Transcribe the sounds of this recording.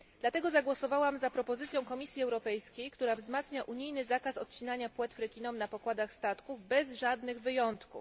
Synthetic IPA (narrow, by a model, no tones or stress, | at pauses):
d̪lat̪ɛɡɔzaɡwɔsɔvawamzapɾɔpɔzɘt̪sʲjɔ̃w̃kɔmʲisʲjiɛwɾɔpɛjskʲejkt̪uɾavzmat̪sɲaʔuɲijnɘzakasɔt̪̚t͡ɕinaɲapwɛt̪fɾɛkʲinɔmnapɔkwad̪axst̪at̪kuvbɛzʐad̪nɘɣvɘjɔnt̪ku